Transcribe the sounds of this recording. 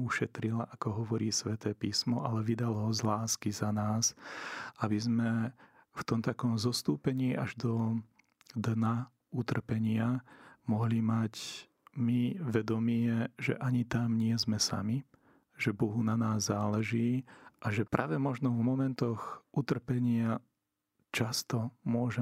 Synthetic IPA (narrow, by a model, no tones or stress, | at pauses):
uʃɛt̪ɾilaʔakɔɦɔʋɔɾiːsʋɛt̪ɛːpiːsmɔʔalɛʋid̪alɦɔzlaːskizanaːs | abizmɛ | ft̪ɔmt̪akɔmzɔst̪uːpɛɲiːʔaʒd̪ɔ | d̪na | ut̪r̩pɛɲɪamɔɦlimac | miʋɛd̪ɔmɪɛʒɛ̰ʔaɲit̪amɲɪɛzmɛsa̰mi | ʒɛbɔɦunanaːzːaːlɛʒiːʔaʒɛpɾʔa̰ːʋɛmɔʒnɔvmɔmɛnt̪ɔɣʔut̪r̩pɛɲɪa | t͡ʃast̪ɔmʊɔʒɛ